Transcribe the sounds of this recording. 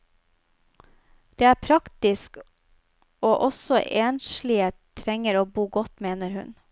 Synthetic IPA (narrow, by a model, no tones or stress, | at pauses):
d̪̥eːæːpʰɾɑkt̪ɪsk | oːʔɔsɔʔeːnʃɭɪət̪ʰɾɛŋəɾoːbuːɡɔt̪meːnəɾhʉ̰n